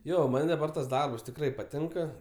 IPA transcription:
ˈjoː ˈmɐnʲ dɐˈbɐr tɐs ˈdɐrps tʲɪkˈrɐɪ pɐˈtʲɪŋkɐ

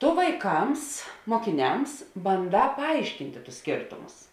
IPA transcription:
ˈtʊ ʋɐɪˈkɐms moːkʲɪˈnʲɛms bɐnˈdɑː pɐˈɐɪʃʲkʲɪnʲtʲeː tʊs ˈsʲkʲeːrtʊmʊs

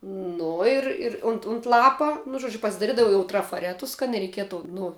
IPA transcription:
ˈnʊ ɪr ɪr ʊnt ʊnt ˈlˠɑːpɐ nʊ ˈʒuɔd͡ʒʲʊ pɐsʲɪdɐˈrʲɪdɐʋɐʊ trɐfɐˈrʲæːtʊs kɐt nʲɛrʲɛɪˈkʲiɛtʊ ˈnʊ

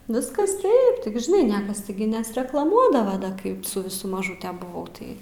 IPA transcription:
ˈʋʲɪskɐs ˈtɐɪp tʲɪk ʒʲɪˈnɐɪ ˈnʲiɛkɐs tʲɪˈɡʲɪ nʲɛsʲrʲɛklˠɐˈmuɔdɐʋɐ ˈkɐɪp sʊ ʋʲɪˈsʊ mɐˈʒuːtʲɛ bʊˈʋɐʊ ˈtɐɪ

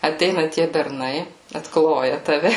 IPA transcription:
ɐˈtʲɛɪnɐ tʲiɛ bʲɛrˈnɐɪ ɐtˈklˠoːjɛ tɐˈʋʲɛ

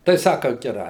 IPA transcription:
tɐɪ ˈsɑːkɐ ɡʲɛˈrɐɪ

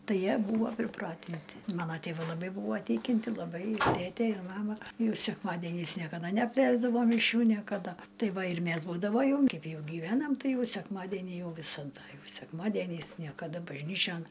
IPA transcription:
ˈtɐɪ ˈjiɛ ˈbuːʋoː pʲrʲɪˈprɑːtʲɪnʲtʲɪ ˈmɑːnoː tʲeːˈʋɐɪ lˠɐˈbɐɪ ˈbuːʋoː ˈtʲɪkʲɪnʲtʲɪ lˠɐˈbɐɪ ˈtʲeːtʲeː ɪr ˈmɑːmɐ ˈjɛʊ sʲɛkˈmɑːdʲeːnʲɛɪs nʲiɛkɐˈdɐ nʲɛɐpʲˈlʲɛɪzdɐʋoː mʲɪˈʃʲuː nʲiɛkɐˈdɐ ˈtɐɪ ˈʋɐ ɪr ˈmʲæs buːdɐʋoː ˈjɛʊ ɪn ˈkɐɪp ˈjɛʊ ɡʲɪˈʋʲæːnɐm ˈtɐɪ ˈjɛʊ sʲɛkˈmɑːdʲɛnʲɪ ˈjɛʊ ʋʲɪsɐˈdɐ ˈjɛʊ sʲɛkˈmɑːdʲiɛnʲɛɪs nʲiɛkɐˈdɐ bɐʒʲˈnʲiːt͡ʃʲoːn

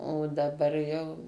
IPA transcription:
oː dɐˈbɐr jɛʊ

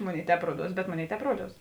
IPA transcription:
ˈmoːˌnʲeːɪ ˈtʲɛːp ˈruɔˌduɔs bʲɛt ˈmoːˌnʲeːɪ ˈtʲɛːp ˈruɔˌduɔs

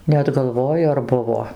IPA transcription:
ˈnʲɛt ɡɐlˠˈʋoːjʊ ɐr ˈbʊʋoː

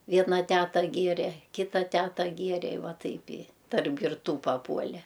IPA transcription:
ˈʋʲiɛnɐ ˈtʲæːtɐ ˈɡʲeːrʲeː ˈkʲɪtɐ ˈtʲæːtɐ ˈɡʲeːrʲeː ɪ ˈʋɐ ˈtɐɪp ɪ tɐrp ɡʲɪrˈtuː pɐˈpuɔlʲɛ

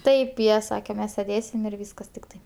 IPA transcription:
ˈtɐɪp ˈjiɛ ˈsɑːkʲɛ ˈmʲɛs sʲɛˈdʲeːsʲɪm ɪr ˈʋʲiːskɐs tʲɪkˈtɐɪ

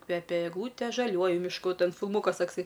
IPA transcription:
ˈkʋʲæːpʲɛ ɛɡˈlˠuːtʲeː ʒɐˈlʲuɔjʊ mʲɪʃˈkʊ ˈtʲɛn fʲɪlˠˈmuːkɐs ˈtɑːksɐɪ

